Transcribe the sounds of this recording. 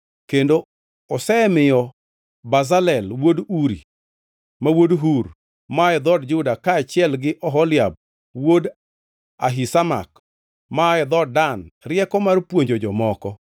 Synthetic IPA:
kendo | ɔsɛmɪjɔ | bazalɛlwoduɾḭ | mawodɦuɾ | maɛd̪ɔdd͡ʒʊdakaːt͡ʃɪɛlɡɪʔɔɦɔlɪjab̚ | wod | aɦisama̰k | maɛd̪ɔdanrɪjɛkɔmarpwoɲd͡ʒod͡ʒɔmɔkɔ

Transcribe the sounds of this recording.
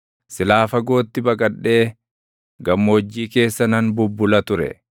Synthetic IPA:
sɪlaːfɐɡo̞ːt̪ːɪbɐkʼɐᶑːe̞ː | ɡɐmːo̞ːd͡ʒːiːke̞ːsːɐnɐnbʊbːʊlɐt̪ʊɾɛ̰

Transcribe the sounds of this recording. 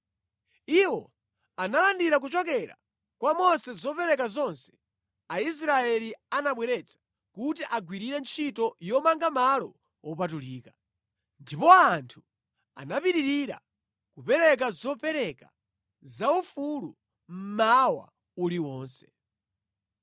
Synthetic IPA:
iwɔ | analandiɾak̬ut͡ʃɔk̬ɛɾa̰ | kwamɔsɛzɔpɛɾɛkazɔnsɛ̥ | ais̬ɾaɛlianaɓwɛɾɛt͡sḁ | kutiʔaɡwiɾiɾɛnt͡ʃʰitɔjɔmaŋɡamalɔ̰ | wɔpatuliːkḁ | ndipɔantʰu̥ | a̰napiɾiɾiɾa̰ | kupɛɾɛk̬azɔpɛɾɛka | zaufulu | m̩mawa̰ | uɾiwɔːnsɛ̥

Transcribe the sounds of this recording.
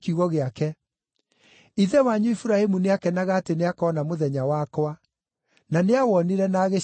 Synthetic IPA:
kiuɣɔɣeakɛ | iðɛwaɲoifuɾahemuneakɛnaɣaːteneakɔːnamoðɛɲawakwa | naneawɔniɾɛnaːɣe

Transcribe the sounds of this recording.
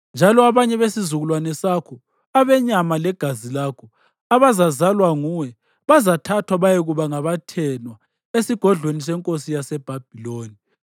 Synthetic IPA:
nd͡ʒʱalɔaβaɲɛβesizuɣulwanɛsakʰɔ | aβɛɲamalɛɡ̥ʱazilakʰɔ | aβazazalwaŋuwɛ | βazatʰatʰwaβajɛɣuβaŋaβatʰɛnwa | esiɡ̥ʱɔɮwenis̬ɛŋkʼosijasɛb̥ʱab̥ʱiloːni

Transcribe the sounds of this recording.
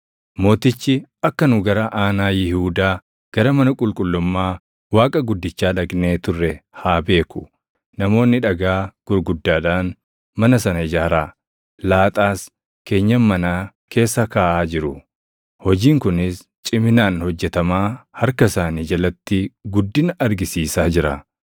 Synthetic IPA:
mo̞ːt̪ɪt͡ʃːɪʔɐkːɐnʊɡɐɾɐʔaːnaːjɪhuːd̪aː | ɡ̥ɐɾɐmɐnɐkʼʊlkʼʊlːʊmːaː | waːkʼɐɡʊd̪ːɪt͡ʃːaːᶑɐɡne̞ːt̪ʊrːɛhaːbe̞ːkʊ̥ | nɐmo̞ːnːɪᶑɐɡaːɡ̥ʊɾɡʊd̪ːaːᶑaːn | mɐnɐsɐnɐɪd͡ʒaːɾaː | laːt̪ʼaːs | ke̞ːɲːɐmːɐnaː | kʰe̞ːsːɐkaːʔaːd͡ʒɪɾʊ | hɔd͡ʒiːŋkʊnɪs | t͡ʃʼɪmɪnaːnhɔd͡ʒːɛt̪ɐmaːhɐɾkɐsaːniːd͡ʒɐlɐt̪ːɪɡʊd̪ːɪnɐʔɐɾɡɪsiːsaːd͡ʒɪɾɐ̰

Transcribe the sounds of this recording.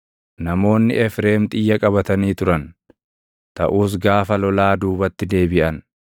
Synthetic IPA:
nɐmo̞ːnːɪ̰ʔɛfɾeːmt̪ʼɪjːɐkʼɐβɐt̪ɐniːt̪ʊɾɐn | t̪ɐʔuːs̬ɡaːfɐlɔlaːd̪uːbɐt̪ːɪd̪e̞ːbɪʔɐn

